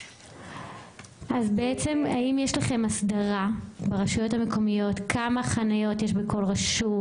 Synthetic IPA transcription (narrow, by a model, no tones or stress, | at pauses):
ʔazbe̞et͡se̞maimjeʃlaχe̞masdaʁabeʁaʃujo̞thame̞ko̞mijo̞tkʰamaχanajo̞tjeʃbeko̞lʁaʃu